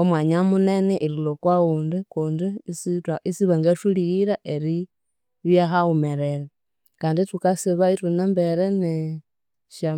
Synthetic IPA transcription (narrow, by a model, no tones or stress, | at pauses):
omwaɲamuneneʔililokwauːndikuːndisitaisiβaŋɡaʃuliiɾaʔeɾi | βjaxaumeɾeɾa | kaːnditukasiβaitunambeɾene | ʃa